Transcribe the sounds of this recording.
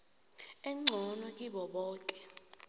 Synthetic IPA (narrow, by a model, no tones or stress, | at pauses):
ɛŋ͡ǀʱɔnɔkʼiɓɔɓɔːkʼɛ̥